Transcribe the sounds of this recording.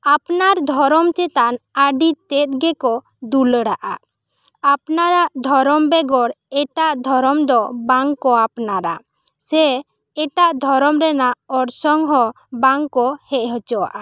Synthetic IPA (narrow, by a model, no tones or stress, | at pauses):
apnaɾd̪ʱɔɾɔmt͡ʃɛt̪anaɖit̪ɛt̪̚ɡɛkɔ | d̪uləɽaʔa | apnaɾaʔd̪ʱɔɾɔmbɛɡɔɾ | ɛʈaʔd̪ʱɔɾɔmd̪ɔbaŋkɔapnaɾa̰ | sɛ | ɛʈaʔd̪ʱɔɾɔmɾɛnaʔɔɾsɔŋɦɔ | baŋkɔhɛʔɦɔt͡ʃɔwa̰ʔa